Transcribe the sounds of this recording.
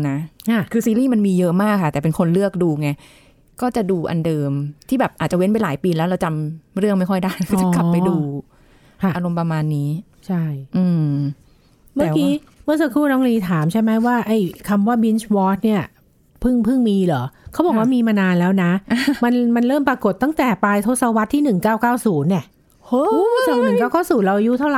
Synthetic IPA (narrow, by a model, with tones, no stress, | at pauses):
na˦˥kʰa˥˩kʰɯː˧siː˧liː˥˩ma˧nmiː˧jɤ˦˥ʔmaː˥˩kʰːa˥˩t̪ɛː˨˩pe˧nkʰo˧nlɯ˥˩ək̚duː˧ŋa˦˥ | kɔː˥˩t͡ɕa˨˩duː˧ʔa̰˧ndɤː˧mt̪ʰiː˥˩bɛː˨˩p̚ʔaː˨˩t̪̚t͡ɕa˨˩we˦˥npa˧jlaː˩˦jpiː˧lɛː˦˥wɾa˧wt͡ɕa˧mɾɯ˥˩əŋma˥˩jkʰɔ˥˩jda˥˩ja˦kːa˩˧kla˨˩pːa˧duː˧ | kʰa˧˥˩ʔa˧ɾo˧mpɾa˧maː˧nːiː˦˥ | t͡ɕʰa˥˩jʔɯː˧ | maː˧˥˨kiː˧˥ | mɯ˥˩ŋs̬a˧kʰɾuː˥˩nɔː˦˥ŋliː˧t̪ʰaː˩˦mt͡ɕʰa˥˩jma˦˥jwaː˥˩ʔa˧˩jkʰa˧mwaː˥˩bi˦˥nt͡ɕwɔː˦˥t̪̚ni˥˩ɐ | pʰɯ˥˩ŋpʰɯ˥˩ŋmiː˧lɔː˩˦kʰa˦˥bɔː˨˩k̚waː˥˩miː˧maː˧naː˧nlɛː˦˥wna˦˥ma˧nma˧nɾɤː˥˩mpɾa˧ko˨˩t̪ːa˥˩ŋt̪ɛː˨˩paː˧jt̪ʰo˦˥t̪sa˧wa˦˥t̪ʰːiː˥˩nɯ˨˩ŋkaː˥˩wkaː˥˩wsuː˩˦nːi˥˩əʔ | hu˦˥sa˨˩nɯ˨˩ŋkaː˥˩wkaː˥˩wsuː˨˩˦nɾa˧wʔa˧ju˦˥t̪ʰa˥˩wla˨